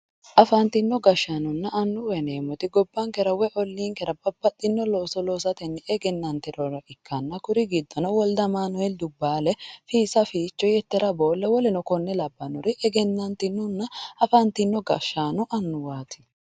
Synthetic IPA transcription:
ʔɐfɐnt̪ɪnːɔɡɐʃːanʊnːɐʔɐnːʊwɛneːmɔt̪ɪɡɔbːɐŋkɛɾɐwɛʔɔlːiːŋkɛɾɐbɐbːɐt̪ʼːɪnːɔloːsɔloːsɐt̪ɛnːɛɛɡɛnːɐnt̪ɪɾɔɾɐʔɪkːɐnːɐkʊɾɪɡɪd̪ːɔnɔwɔld̪ɐmaːnɔɛld̪ʊbːaːlɛfiːsɐfiːt͡ʃːɔjɛt̪ːɛɾɐbo̞ːlːɛwɔlɛnɔkɔnːɛlɐbːɐnʊɾɪʔɛɡɛnːɐnt̪ɪnːʊnːɐɐfɐnt̪ɪnːɔɡɐʃːaːnʊʔɐnːʊwaːt̪ʰɪ̥

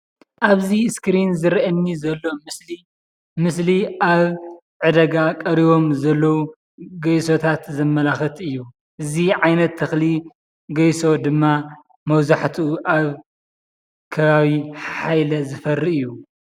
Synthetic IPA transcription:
ʔaβziskɾinzɨɾʔɐnːizɐlːo̞mɨsli | mɨs̬liʔaβ | ʕɨd̪ɐɡakʼɐɾiβo̞mzɐlːɐwu | ɡɐjso̞t̪ʰat̪zɐmːɐlaxɐt̪ʰɨjːu | ʔɨziʕajnɐt̪ʰːɐxli | ɡɐjso̞d̪ɨmːa | mɐwzaħt̪ʰːʔaβ | kʰɐβaβiħajlɐzɨfɐrːiɨjːu

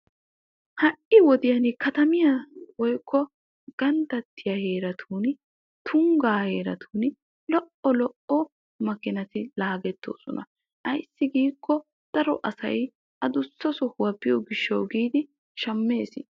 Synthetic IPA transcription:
hɐʔɪwɔd̪ɪjɐnkɐt̪ɐmɪjɐwɔjkʰːɔ | ɡ̥ɐnt̪ɐt̪ːɪjɐhe̞ːɾɐt̪ʰuːn | t̪ʰʊŋɡaːhe̞ːɾɐ̰t̪ʰuːn | lɔʔɔlɔʔɔ | mɐkːɪnɐt̪ɪlaːɡɛt̪ːo̰ːsɔnɐ̰ | ʔɐjsːɪɡiːkːɔ | d̪̥ɐɾɔʔɐsɐ̰j | ʔɐd̪ʊsːɔsɔhʊwɐpːɪjɔɡɪʃːɐwɡiːd̪ɪ | ʃɐmːe̞ːsɪ

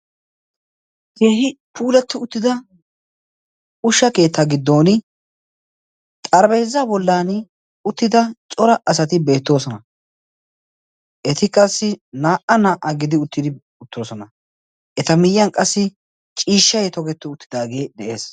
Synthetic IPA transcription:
heːɦɪpʰuːlɛt̪ːɪʊt̪ːɪd̪ɐ | ʊʃːɐke̞ːt̪ʰːɐɡɪd̪ːo̞ːnɪ | t̪ʼɐɾbeːzːaːbɔlːaːn | ʊt̪ːɪd̪ɐt͡ʃʼɔɾɐɐsɐt̪ɪbe̞ːt̪ːo̞ːsɔnɐ | ʔɛt̪ɪkʼɐsːɪnaːʔɐnaːʔɐɡɪd̪ɪʊt̪ːɪd̪ɪ | ʊt̪ːo̞ːsɔnɐ | ʔɛt̪ɐmɪjːɐnkʼɐsːɪ | t͡ʃʼiːʃːɐjɛt̪ɔɡɛt̪ːɪʊt̪ːɪd̪aːɡe̞ːd̪ɛʔe̞ːs

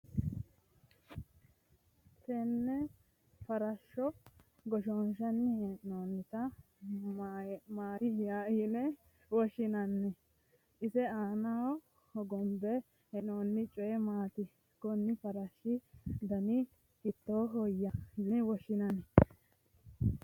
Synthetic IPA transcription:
t̪ɛnːɛ | pɐɾɐʃːɔ | ɡɔʃɔnʃɐnːɪhɛʔnoːnːɪt̪ɐ | maːɾɪjajinɛ | wɔʃɪnɐnːɛ | ʔɪsɛaːnɐɔ | hɔɡɔmbɛ | hɛnoːnːɪt͡ʃʼɔjɛmaːt̪ɪ | ɡɔnːɪfɐɾɐʃːɪd̪ɐnɪ | hɪt̪ːoːɦɔjːɐdɪwɔʃɪnɐnɛ

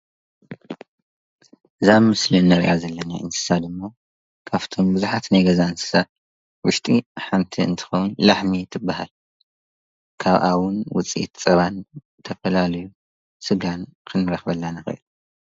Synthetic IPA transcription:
ʔɨzamɨslinːɐɾ̰ʔazɐlːɐnaʔɨ̰nsʰɨ̥sad̪ɨmːo | kʰaβt̪ʰo̞mbɨzuħat̪najɡɐzansɨ̥sa | wʊʃt̪ʼiħamt̪ʰiɨ̰nt̪ʰɨ̥xownlaħmit̪ʰɨbːaɦa̰l | kʰaβʔawʊnwʊ̰t͡sʼiḭt̪t͡sʼɐβan | t̪ʰɐfɐlalɐju | sɨɡankʰɨnːɨɾɐxβɐlːanɨxɨ̰ʔɨ̰l

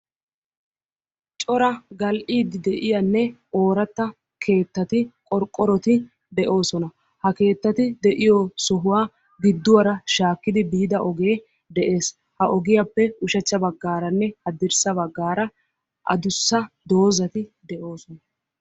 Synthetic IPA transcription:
t͡ʃʼɔɾɐɡɐlʔiːd̪ɪd̪ɛʔɪjɐnːɛo̞ːɾɐt̪ːɐ | kʰe̞ːt̪ːɐt̪ɪkʼɔɾkʼːɔɾɔt̪ɪ | d̪ɛʔo̞ːsɔnɐ | hɐke̞ːt̪ːɐt̪ɪd̪ɛʔɪjɔsɔɦʊwaː | ɡɪd̪ːʊwɐɾɐʃaːkːɪd̪ɪbiːd̪ɐʔɔɡeː | d̪ɛʔe̞ːs | hɐʔɔɡɪjapːɛʊʃɐt͡ʃːɐbɐɡːaːɾɐnːɛhɐd̪ɪɾsɐbɐɡːaːɾɐ | ʔɐ̰d̪ʊsːɐd̪o̞ːzɐt̪ɪd̪ɛʔo̞ːsɔnɐ

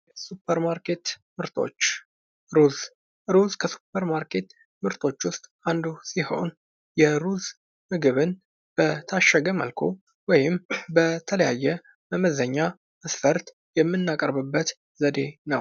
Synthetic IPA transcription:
supʰːəɾmaɾke̞t̪mɨɾt̪ʰo̞̰t͡ʃː | ɾuz | ɾuzkʰəsu̥pʰəɾmaɾkʰe̞t̪ | mɨɾt̪ʰo̞t͡ʃːwʊst̪ʼand̪usiho̞̰n | jɛɾuz | mɨɡɨβɨn | b̥ət̪ʰaʃːəɡəmə̰lkʰo | wɔjɪmbət̪ʰələjajːɛ | bəməzəɲːa | məsfəɾt̪ | jɛmːɨnːakʼəɾβɨbːət̪ | zəd̪e̞nəw

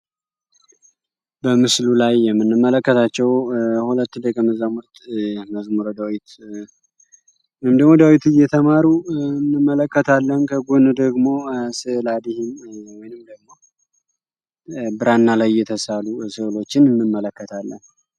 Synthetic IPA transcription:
bəmɨslulajːɛmːɨnːɨmːələkːət̪ʰat͡ʃːɛwhulət̪ːd̪əkʼəməzamuɾt̪ʼməzmuɾod̪awit̪ | wɔjmd̪əɡmod̪awit̪ɨjɛt̪ʰəmaɾuɨnːɨmːələkːət̪ʰalːənkʰəɡonud̪əɡmo̞sɨʔɨlad̪ihɪnwɔjnɨmd̪əɡmo̞ | bɨɾanːalajːɛt̪ʰəsalusɨʔɨlo̞t͡ʃːɪnɨnːɨmːələkːət̪ʰalːə̰n

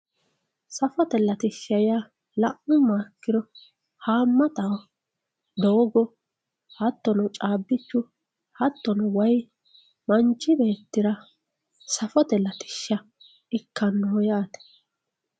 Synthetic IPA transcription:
sɐfɔt̪ɛlːɐt̪ɪʃːɐja | lɐʔʊmaːkːɪɾɔ | haːmːɐt̪ɐw | d̪oːɡɔ | hɐt̪ːɔnɔt͡ʃʼaːbːɪt͡ʃːʊ | hɐt̪ːɔnɔwɐj | mɐnt͡ʃːɪbeːt̪ːɪɾɐ | sɐfɔt̪ɛlɐt̪ɪ̥ʃːɐ | ɪkːɐnːɔjaːt̪ɛ̥

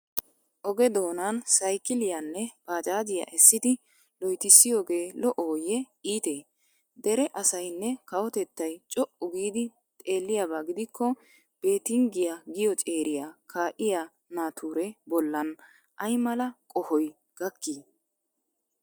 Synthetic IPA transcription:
ʔɔɡɛd̪o̞ːnansɐjkɪlɪjanːɛb̥aːd͡ʒʼaːd͡ʒ̪ɪja̰ʔɛsːɪd̪ɪ | lɔjt̪ɪsːɪjo̞ːɡe̞ːlɔʔoːjɛ | iːt̪eː | d̪ɛɾɛʔɐsɐjnːɛkɐwɔt̪ɛt̪ːɐjt͡ʃʼɔʔʊɡiːd̪ɪ | t̪ʼe̞ːlːɪjabaːɡɪd̪ɪkːɔ | b̥e̞ːt̪ɪŋɡɪjaɡɪjɔt͡ʃʼe̞ːɾʔɪjakʰaːʔɪja | naːt̪ʰuːɾɛbɔlːɐn | ʔɐjmɐlɐkʼɔhɔj | ɡ̥ɐkːiː

